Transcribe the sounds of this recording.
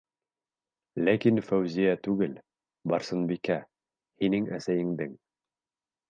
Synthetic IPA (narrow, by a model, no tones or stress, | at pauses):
lækinfæwzijæt̪ʉɡɘl | bɑɾsɤ̆nbikæ | hinɘŋæsæjɘ̆ŋd̪ɘŋ